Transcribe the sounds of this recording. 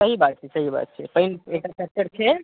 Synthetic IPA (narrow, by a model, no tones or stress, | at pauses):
səɦibat̪̚t͡ʃʰɛsəɦiba̰t̪̚t͡ʃʰɛpəɦinek̚ʈasək̚t͡ʃəɾt͡ʃʰe